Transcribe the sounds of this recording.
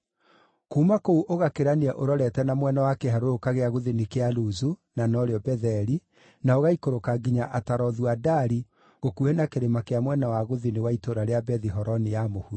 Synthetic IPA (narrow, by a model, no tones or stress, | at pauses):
kuːmakouʔoɣakeɾaneɛʔoɾɔɾɛtɛnamwɛnawakeɦaɾoɾokaɣeaɣoðinekealuzunanɔɾeɔbɛðɛɾi | naoɣaikoɾokaɡiɲaʔataɾɔðwadaɾi | ɣokuɛnakeɾemakeamwɛnawaɣoðinewaitoɾaɾeabɛðiɦɔɾɔnejamohu